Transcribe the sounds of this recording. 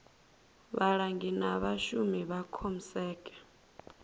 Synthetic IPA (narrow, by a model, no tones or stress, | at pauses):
βaɺaŋɡinaβaʃumiβakʰom̩sɛːkʼɛ̥